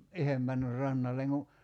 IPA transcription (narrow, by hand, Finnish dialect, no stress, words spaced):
ihem mænːyr rɑnːɑlːeŋ ku